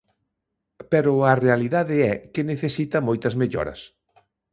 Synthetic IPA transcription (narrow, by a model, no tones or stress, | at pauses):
pɛɾʊɐrealiðaðɪɛkɪneθesit̪ɐmojt̪ɐzmeʎɔ̰ɾɐ̰s